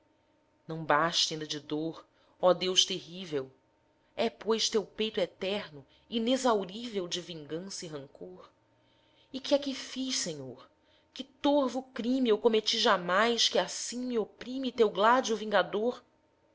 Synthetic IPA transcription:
nɐ̃w̃baʃt̪ɐĩnd̪ɐd͡ʒɪd̪oɾ | ɔd̪ewʃt̪eɦivew | ɛpojʃt̪ewpejt̪ʊɛt̪ɛɾnʊ | inezawɾivewd͡ʒɪvĩŋɡɐ̃sɐiɦɐ̃ŋkʰoɾ | ɪkʲɪakɪfiʃsẽɲoɾ | kɪt̪oɾvʊkɾĩmiewkomet͡ʃiʒamajʃkɪasĩmiopɾĩmit̪ewɡlad͡ʒʊvĩŋɡad̪oɾ

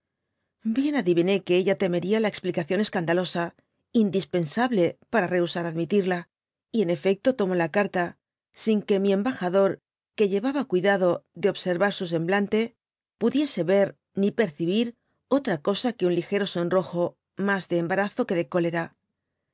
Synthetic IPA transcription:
bje̞naðiβine̞ke̞eʎat̪e̞me̞ɾialae̞ksplikaθjo̞ne̞skand̪alo̞sa | ind̪ispe̞nsaβle̞paɾare̞usaɾaðmit̪iɾla | ie̞ne̞fe̞k̚t̪o̞t̪o̞mo̞lakaɾt̪a | siŋke̞mie̞mbaxaðo̞ɾ | ke̞ʎe̞βaβakwiðaðo̞ðeo̞βse̞ɾβaɾsus̬e̞mblant̪e̞ | puðje̞se̞βe̞ɾ | nipe̞ɾθiβ̞iɾ | o̞t̪ɾako̞sake̞unlixe̞ɾo̞so̞nro̞xo̞ | mazðeːmbaɾaθo̞ke̞ðe̞ko̞le̞ɾa

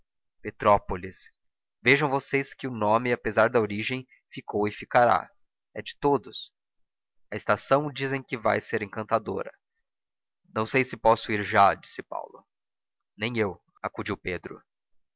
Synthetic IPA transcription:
pet̪ɾɔpolis | veʒɐ̃w̃voseskɪʊnõmɪapezaɾd̪ɐoɾiʒẽj̃ | fikʰowɪfikaɾa̰ | ɛd͡ʒɪt̪od̪ʊs | ɐɪst̪asɐ̃w̃d͡ʒizẽj̃kɪva̰jseɾẽkɐ̃nt̪ad̪o̰ɾɐ̰ | nɐ̃w̃sejsɪpɔsʊiɾʒad͡ʒi̥sɪpa̰wlʊ | nẽj̃ew | akud͡ʒiwped̪ɾʊ̰

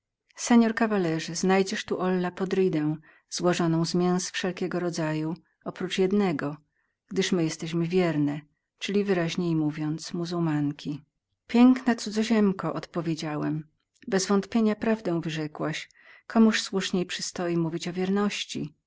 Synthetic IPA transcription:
sɛɲɔɾkavalɛʐɘznajd͡ʑɛʂt̪uʔɔlːapɔd̪ɾɘd̪ɛ̃w̃ | zwɔʐɔnɔ̃w̃zmʲjɛ̃w̃sfʂɛlkʲɛɡɔɾɔd̪zaju | ɔpɾut͡ʂjɛd̪nɛɡɔ | ɡ̥d̪ɘʂmɘjɛst̪ɛɕmɘvʲjɛɾnɛ | t͡ʂɘlʲivɘɾaʑɲejmuvʲjɔnt̪smuzuwmaŋkʲʰi | pʲjɛŋknat̪sud̪zɔʑɛmkɔʔɔt̪pɔvʲjed͡ʑawɛm | bɛzvɔnt̪pʲjeɲapɾavd̪ɛ̃w̃vɘʐɛkwaɕ | kʰɔmuʂswuʂɲejpʂɘst̪ɔjimuvʲit͡ɕɔvʲjɛɾnɔɕt͡ɕḭ

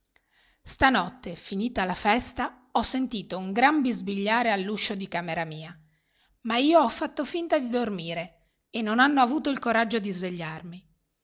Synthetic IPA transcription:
st̪anɔt̪ːefiniːt̪alafɛst̪a | ɔsːent̪iːt̪ouŋɡɾambizbiʎːaːɾealːuʃːod̪ikaːmeɾamiːa | maiːoɔfːat̪ːofint̪ad̪id̪ormiːɾe | enːonanːoavuːt̪oilkoɾad͡ʒːod̪izveʎːarmi

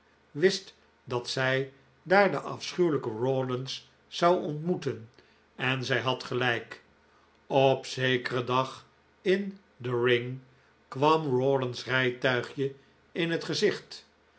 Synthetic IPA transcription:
ʋɪst | dɑtsɛj | daːɹdəʔɑ̰fsχywləkəɹoːdənsː | ɑwɔntmutən | ɛnzɛjɦɑtχəlɛjk | ɔpsejkərədɑχ | ɪn | dəɹɪŋ | kʋɑmɹoːdənsrɛjtœɥχjə | ɪnɦətχəzɪχt

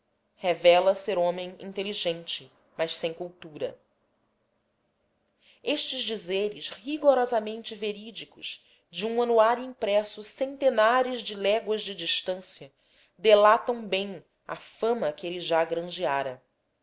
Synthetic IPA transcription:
hevɛlɐseɾõmẽj̃ḭ̃nt̪eliʒẽnt͡ʃɪ | mɐʃsẽj̃kuwt̪uɾɐ̰ | eʃt͡ʃɪzd͡ʒizeɾɪʃhiɡoɾɔzɐmẽnt͡ʃɪveɾid͡ʒikʊʃ | d͡ʒɪũɐ̃nuaɾjuĩŋpɾɛsʊsẽnt̪enaɾʊzd͡ʒɪlɛɡwɐzd͡ʒɪd͡ʒiʃt̪ɐ̃siɐ | d̪elat̪ɐ̃w̃bẽj̃ | ɐ̰fɐ̃mɐkɪeliʒaɡɾɐ̃ʒiaɾɐ

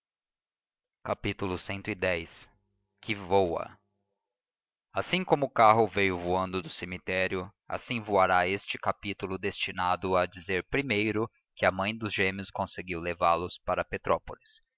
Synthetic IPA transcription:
kapit̪ulʊsẽnt̪ʊid̪ɛjs | kʰɪvowɐ̰ | asĩŋkõmʊːkaɦʊvejʊvuɐ̃nd̪ʊd̪ʊsemit̪ɛɾjʊ | a̰sĩvuaɾaest͡ʃɪ̥kapit̪ulʊd̪est͡ʃinad̪ʊad͡ʒizeɾpɾimejɾʊ | kɪɐmɐ̃j̃d̪ʊzʒẽmiʊskõseɡiwlevalʊspaɾɐpet̪ɾɔpolis

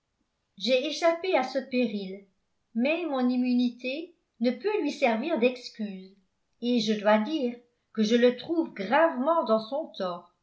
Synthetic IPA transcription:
ʒɛeʃapeasəpeʁil | mɛmɔ̃nimynit̪e | nəpølɥisɛʁviːʁd̪ɛkskʲyːz | eʒəd̪wad̪iːʁ | kəʒələt̪χuvɡʁavmɑ̃d̪ɑ̃sɔ̃t̪ɔːʁ

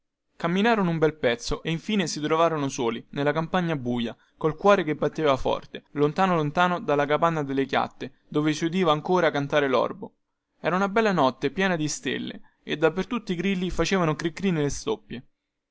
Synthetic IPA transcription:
kamːinaːɾonoumbɛlpɛt̪sːoʔeiɱfiːnesit̪ɾovaːɾonosoːlinelːakampaɲːabuːja | kolkwɔːɾekebːat̪ːeːvafɔ̰rt̪elont̪aːnolont̪aːnod̪alːakapanːad̪elːekja̰t̪ːe | d̪oːvesiud̪iːvaːŋkoːɾakːant̪aːɾelɔ̰rbo | ɛːɾaunabɛlːanɔt̪ːepjɛːnad̪ist̪ḛlːḛ | ed̪ːapːert̪ut̪ːiɡɾilːifat͡ʃeːvanokɾikːɾiːnelest̪opːje

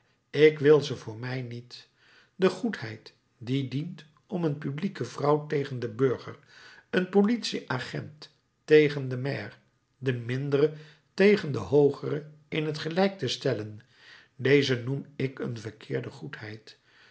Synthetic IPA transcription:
ɪkʋɪlˠzəvʊːɹmɛjnit | dəχuthɛjt | didint | ʔɔmənpyblikəvrɑwtejχəndəbøɹχə̰r | ənpolitsiʔaχɛ̰ntː | ejχəndəmɛːr | dəmɪndərə | tejχəndəɦowχərə | ɪnɦətχəlɛjk̚təstɛlən | dejzənumɪkə̰nvəɹkʰɪːɹdəχutɦɛjt

